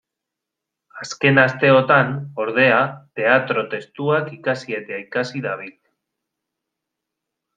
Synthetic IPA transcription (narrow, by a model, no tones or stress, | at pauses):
aske̞nast̪e̞o̞t̪ano̞ɾð̞e̞at̪e̞at̪ɾo̞t̪e̞st̪uakikasie̞t̪eaikasiðaβ̞il